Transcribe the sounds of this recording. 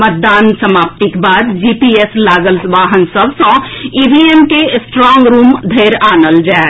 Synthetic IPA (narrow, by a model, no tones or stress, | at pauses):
mət̪̚d̪aːnsəmaːp̚t̪ikbaːd̪d͡ʒiːpiːeslaːɡəlsʋaːɦənsəbsɔ̃iːbiːemkesʈɾɔ̃ːŋɡɾuːmd̪ʱeːɾaːnəld͡ʒaː